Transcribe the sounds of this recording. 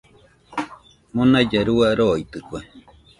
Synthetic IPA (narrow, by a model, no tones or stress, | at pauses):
munad͡ʒaɾuaɾoit̪ɨkwe